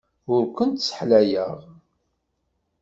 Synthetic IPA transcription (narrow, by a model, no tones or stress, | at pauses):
ʊɾkʷənt̪sə̥ħlæjə̰ʁ